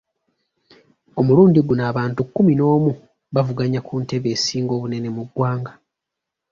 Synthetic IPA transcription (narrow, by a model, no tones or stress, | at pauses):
o̞muluːndiɡunaːβaːntukːumino̞ːmu | βavuɡaɲakʰuːnte̞βe̞ːsiːŋɡo̞ːβune̞ne̞muɡwaːŋɡa